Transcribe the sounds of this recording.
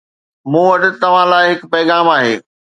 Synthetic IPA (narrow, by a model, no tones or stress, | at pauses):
mũːʋɐɗɪ̆t̪ɐʋ̤ãlaːɪɦɪkpɐɪɣaːmaːɦeː